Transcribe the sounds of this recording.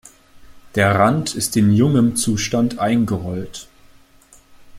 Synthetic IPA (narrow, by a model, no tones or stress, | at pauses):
d̥eːɐʁantʰɪstɪnjʊŋənt͡suːʃtantʔaɪnɡəʁɔlt